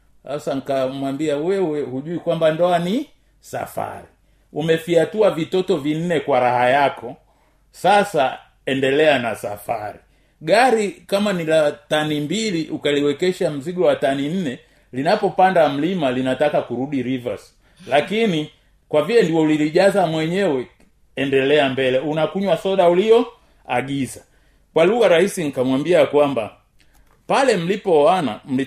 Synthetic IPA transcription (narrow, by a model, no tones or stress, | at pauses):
hasaŋikamwambiauwɛɛhuʄuikwambandɔani | sa̰fa̰ɾi | umɛfiatuavitɔtɔvin̩nɛkwaɾahajakʰɔ | sasa | ɛndɛlɛanasa̰faɾi | ɡaɾikamanilatanimbiliʔukaliwɛkɛʃam̩ziɡɔwatanin̩nɛ | linapɔpandam̩limalinatakakuɾuɗiɾivas | lakini | kwavilɛndiwɔuliliʄazamwɛɲɛwɛ | ɛndɛlɛambɛlɛunakuɲwasɔɗauliɔ | a̰ɡiza | kwaluɣaɾahisinikamwambiakwamba̰ | palɛm̩lipɔwana̰m̩li